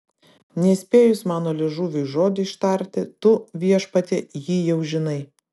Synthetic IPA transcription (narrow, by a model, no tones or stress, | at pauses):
nʲɛisʲpʲeːjʊsʲmɑːnoːlʲɪʒuːʋʲʊʒoːd̪ʲʊɪʃt̪ɐɾʲt̪ʲɪt̪ʊʋʲiɛʃpɐt̪ʲejiːjɛʊʒʲɪnɐɪ